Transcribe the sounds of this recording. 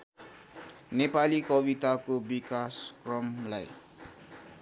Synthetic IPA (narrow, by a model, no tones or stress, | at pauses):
nepalikʌbit̪akobikaskrʌmlaj